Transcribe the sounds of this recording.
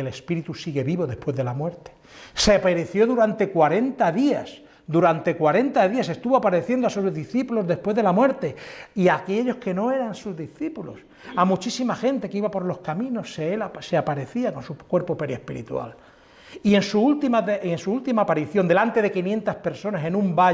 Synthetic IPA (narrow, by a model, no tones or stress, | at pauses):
ele̞spiɾit̪usiɣeβiβo̞ðe̞hpwe̞zðe̞lamwe̞ɾt̪e̥ | se̞peɾeθjo̞ðuɾant̪e̞kwaɾe̞nt̪aðias | d̪uɾant̪e̞kwaɾe̞nt̪aðiase̞st̪uβoapaɾe̞θje̞nd̪asuzðiθipulozðe̞spwe̞zðelamwe̞ɾt̪e̞iake̞ʎo̞ske̞no̞e̞ɾansuzðiθipulo̰s | amut͡ʃisimaxe̞nt̪e̞keiβapo̞ɾlo̞skamĩno̞seelaseapaɾe̞θiako̞nsukwe̞ɾpope̞ɾjespiɾḭt̪ua̰l | ie̞nsuult̪imaðeensuult̪imaːpaɾiθjo̞nd̪e̞lant̪e̞ðe̞kinjẽ̞nt̪aspe̞ɾso̞nase̞nũmba